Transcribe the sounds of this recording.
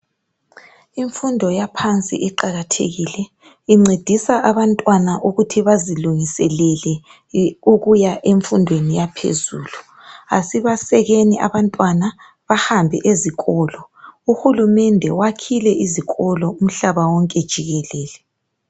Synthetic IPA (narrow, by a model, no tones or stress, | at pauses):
iɱfundʱɔjapʰant͡sʼḭʔiǃaɣatʰḛɣilɛ | iŋ͡ǀed̥ʱisaʔaβantʼwanaʔuɣutʰiβaziluŋisɛlɛlɛ | uɣujaʔeɱfundʱwenijapʰḛzuːlu | asiβasɛɣeniʔa̰βantʼwana | βahambʱɛʔeziɣɔːlɔ | uxulumɛndʱɛwakʰilɛʔiziɣɔlɔum̩ɬaβawɔŋkʼɛd̥ʒ̥ʱiɣɛlɛːlɛ